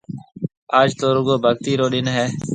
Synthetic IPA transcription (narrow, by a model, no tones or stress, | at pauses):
aːd͡ʒt̪oːɾʊɡoːbʱəɡt̪iːɾoːɗɪnɦɛː